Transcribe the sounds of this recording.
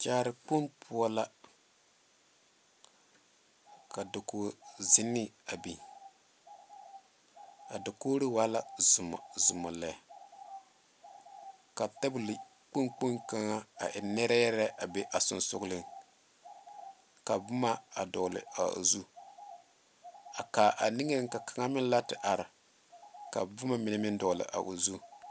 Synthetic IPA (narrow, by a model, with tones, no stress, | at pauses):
t͡ʃaː˦ɾɪ˨k͡pu˦npʰu˦a˦la˦ | ka˨dʊ˨ko˨zɪ˦nːɪ˦a˨bi˨ | a̰˨da˨ko˦ɾi˦wa˦la˦˨m˨zʊ˨ma˨lɛ˨ | ka˨tɛ˦bʊ˦˨lɪ˨ | k͡pu˦nk͡pu˦nka˦ŋa˦a̰˨ʔɪ˨nɛ˦ɾa˦jɛ˦ɾɛ˦ʔa˨be˨ʔa˨sʊ̰˨nsʊ˦ɡlɨ˦ŋ | ka˨bʊ˦ma˦a˨dɔ˨lɨ̰˨a̰˨zu˦ | a˨ka˨ʔa˨ni˦ŋe˦ŋka˨ka˨ŋa˦mɪ˦n˦la˦tɪ˨ʔa˨ɾɪ˨ | ka˨bʊ˦ma˦mɪ˨nɨ˦mɪ˦ndɔ˨lɨ̰˨ʔa̰˨ʔu˨zu˦